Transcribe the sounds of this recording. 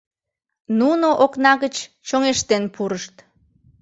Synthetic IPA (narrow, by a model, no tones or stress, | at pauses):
nunoʔoknɑɣət͡ɕ | t͡ɕoŋeʃt̪enpuɾəʃt̪